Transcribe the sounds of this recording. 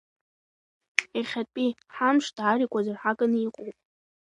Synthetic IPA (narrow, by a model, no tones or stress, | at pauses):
eχʲatʼiħamʂd̥aɾikʷʼazarħaɡʼaniqʼowpʼ